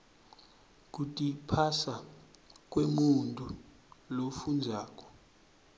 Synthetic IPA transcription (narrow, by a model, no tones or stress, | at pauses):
k̬utʼipʰasa | k̬ʼwemuntʼu | lofund͡zʱaːk̬ʼɔ̥